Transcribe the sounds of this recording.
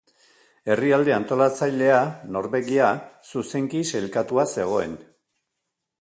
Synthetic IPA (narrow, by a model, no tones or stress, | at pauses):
e̞riald̪eant̪o̞lat͡sajle̞ano̞ɾβe̞ɣiasuse̞ŋkise̞lkat̪uase̞ɣ̞o̞e̞̰n